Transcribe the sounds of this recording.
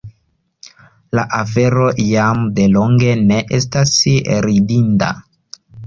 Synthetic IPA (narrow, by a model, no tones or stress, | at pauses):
laʔafe̞ɾo̞jamde̞lo̞ŋɡe̞ne̞ʔestasɾidinta̰